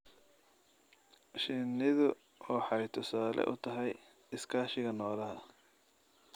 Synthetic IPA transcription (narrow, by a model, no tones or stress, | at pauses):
ʃɪnɪðʊ | ɔːħɑjt̪ʰʊsaːlɛ̰ʔʊt̪ʰɐɦɛj | ɪskʰaːʃɪɣɐnɔːlɐɦɐ